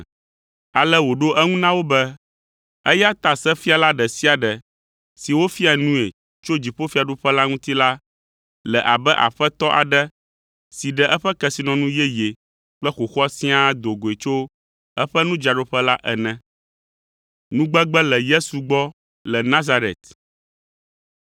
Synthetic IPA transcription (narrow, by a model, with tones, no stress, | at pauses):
a˨lɛ˦wo˨ɖo˦ʔɛ˦ŋũ˦nã˦wo˦bɛ˦ | ɛ˦ja˦t̪a˨sɛ˦fi˦a˨la˦ɖɛ˨si˦a˨ɖɛ˨ | si˨wo˦fi˦a˨nũ˦e˨ | t͡ʃo˦d͡ʑi˨ɸo˦fi˦a˨ɖo˦ɸɛ˦la˦ŋũ˦t̪i˦la˦ | lɛ˨ʔa˨bɛ˦ʔa̰˨ɸɛ˦t̪ɔ˦ʔa̰˨ɖɛ˦ | si˨ɖɛ˨ʔɛ˦ɸɛ˦kɛ˦si˨nɔ̃˨nũ˦jɛ˦je˨ | k͡pɛ˦xo˨xɔ˦sĩ˦a˦d̪o˨ɡo˨e˨t͡ʃo˦ | ɛ˦ɸɛ˦nũ˦d͡ʒa˨ɖo˦ɸɛ˦la˦ʔɛ˨nɛ̃˨ | nũ˦ɡ͡bɛ˦ɡ͡bɛ˦lɛ˨je˦su˨ɡ͡bɔ˦ | lɛ˨nã˦za˦ɾḛ˨t̪